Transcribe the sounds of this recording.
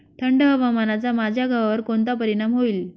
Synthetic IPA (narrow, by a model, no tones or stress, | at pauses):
ʈ̪ʰəɳɖəɦəʋamanat͡samad͡ʑʱjaɡʱaʋaʋəɾkont̪̬apəɾiɽ̃amɦoiːl